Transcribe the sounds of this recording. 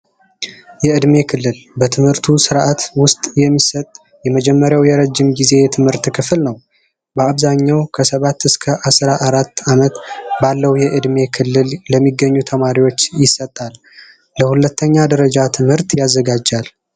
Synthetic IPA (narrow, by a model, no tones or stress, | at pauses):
jɛɨd̪me̞kʰɨlːɨlbət̪ʰɨmhɨɾt̪ʰusɨɾʔat̪wʊst̪ʼjɛmːisət̪ʼ | jɛməd͡ʒɛmːəɾjawjɛɾəd͡ʒːɪmɡize̞jɛt̪ʰɨmhɨɾt̪kʰɨflnəw | bəaβzaɲːawkʰəsəβat̪ːɨskʰəʔasɾaʔaɾat̪ːamət̪balːəhwjɛʔɨd̪me̞kʰɨlːɨlləmːiɡːəɲːut̪ʰəmaɾiwo̞t͡ʃːjɪsːət̪ʼːalː | əhulət̪ʰːəɲːad̪əɾəd͡ʒat̪ʰɨmhɨɾt̪jazːəɡad͡ʒal